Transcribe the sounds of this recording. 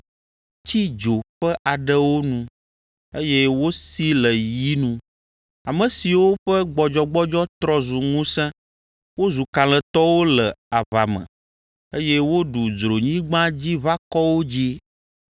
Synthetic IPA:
t͡ɕi˦d͡ʒo˨ɸɛ˦ʔa˨ɖɛ˦wo˦nũ˨ | e˦jɛ˦wo˦si˦lə˨ji˦nũ˨ | a˨mə̃˨si˨wo˦ɸɛ˦ɡ͡bɔ˨d͡ʒɔ˨ɡ͡bɔ˦d͡ʒɔ˦t̪ɾɔ˦zu˨ŋũ˦sɛ̃˦ | wo˦zu˨kã˨lɛ˨t̪ɔ˦wo˦lɛ˨a˨βa˨mɛ̰̃˨ | e˦jɛ˦wo˦ɖu˨d͡ʒɾo˨ɲĩ˦ɡ͡bã˦d͡ʑi˦βa˦kɔ˦wo˦d͡ʑi˦

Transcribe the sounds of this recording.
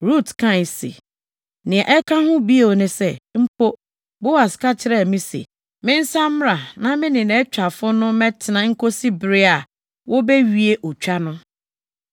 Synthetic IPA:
ɾu˦˨tkʰã˦˨sḛ˨ | nɪ̃˨ɛ̃˨ʔɛ˦kʰã˦hʊ̃˦bi˦e˨o˨nɪ̃˨sɛ˦m̩˦po˦ | bo˦wa˨ska˦t͡ɕʰɪ˦ɾɛ˦˨mĩ˦sḛ˨ | mɪ̃˦n̩˦sã˦m˦ɾa˨nã˦mɪ̃˦nɪ̃˨nɛ̃˨˦t͡ɕᶣa˨fʊ˦nʊ̃˦mɛ̃˦tʰɪ˨nã˨ŋ̩˦kʰo˦si˦bɪ˨ɾɪ˦a˨ | wʔɔ˦bɛ˦ɥi˨e˦ʔɔ˨t͡ɕᶣa˦nʊ̃˦

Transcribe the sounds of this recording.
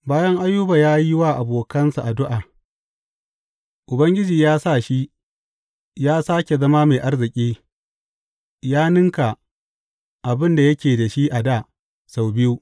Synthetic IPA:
baː˦jɐ˦ŋʔa˦jːʊ˦baː˨jaː˦ji˦waː˦ʔa˨boː˨kɐ˦nsa˨ʔa˨dʊ˦ʔaː˨ | ʔʊ˨bɐ˦ŋɡʲɪ˦d͡ʒiː˨jaː˦sa˦˨ʃi˦ | jaː˦saː˦kʲe˨zɐ˦maː˦meː˨ʔa˦rzɪ˨kʲʼiː˦ | jaː˦nɪ˦ŋka˨ | ʔa˨bɪ˦nda˨jɐ˦kʲeː˨da˨ʃi˦ʔa˨daː˦˨ | sa˨wbɪ˦ju˦

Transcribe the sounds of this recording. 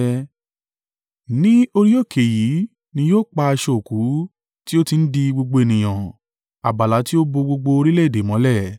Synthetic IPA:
nĩ˦o˧ɾi˦o˦˨kʰe˨ji˨˦ | nĩ˧˦joː˦˨k͡pa˧a˧ʃo˧o˨ku˨˦ | ti˦o˦ti˧n̩˦di˧ɡ͡bo˧ɡ͡bo˧e˨nĩ˨j̃ã˨ | a˨ba˨la˨˦ti˦o˦bo˧ɡ͡bo˧ɡ͡bo˧o˧ɾi˦le˦˨de˨mɔ̃˨˦lɛ˦˨

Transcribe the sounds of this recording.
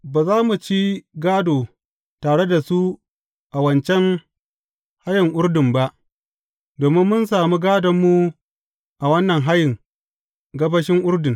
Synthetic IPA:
baː˨zaː˦mu˨t͡ʃi˦ɡaː˦doː˨ | taː˨ɽe˦da˨su˦ | ʔa˨wɐ˨nt͡ʃɛ˦ŋ | ha˦jɪ˨ŋʔʊ˦ɾdɪ˨mba˦ʔ | doː˨mɪ˦mːʊ˦nsaː˨mu˦ɡaː˦dɐ˨mːu˦ | ʔa˨wɐ˦nːɐ˨ŋɦa˦jɪ˨ŋ | ɡɐ˦bɐ˦ʃɪ˦ŋʔʊ˦rdɪ˨ŋ

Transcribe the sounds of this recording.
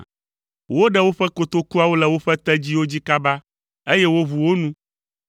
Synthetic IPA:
wo˦ɖɛ˦wo˦ɸɛ˦ko˨t̪o˦ku˦a˨wo˦lɛ˨wo˦ɸɛ˦t̪ɛ˦d͡ʑi˦wo˦d͡ʑi˦ka˦ba˦ | e˦jɛ˦wo˦vu˨wo˦nũ˦

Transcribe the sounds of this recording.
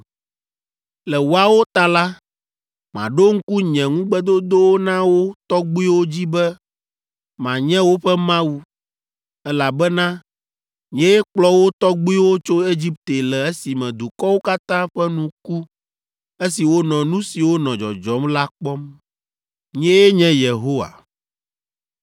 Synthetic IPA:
lɛ˨wo˨a˨wo˦t̪a˨la˦ | mã̰˨ɖo˦ŋ̩˦ku˦ɲɛ̃˨ŋũ˦ɡ͡bɛ˦d̪o˦d̪o˦wo˦nã˦wo˦t̪ɔ˦ɡ͡bu˦i˦wo˦d͡ʑi˦bɛ˦ | mã˨ɲɛ̃˦wo˦ɸɛ˦mã˦wu˦ | ɛ˦la˨bɛ˦nã˦ | ɲ̃˦ɛ̃˦je˦k͡plɔ˦wo˦t̪ɔ˦ɡ͡bu˦i˦wo˦t͡ʃo˦e˦d͡ʑi˦p̚t̪e˨lɛ˨e˦si˨mɛ̃˨d̪u˨kɔ˦wo˦ka˦t̪ã˦ɸɛ˦nũ˨ku˦ | e˦si˨wo˦nɔ̃˨nũ˦si˨wo˦nɔ̃˨d͡ʒɔ̰˨d͡ʒɔ˦mla˦k͡pɔ˦m | ɲ̃˦ɛ˦je˦ɲɛ̃˦je˨ɦo˦wa̰˨

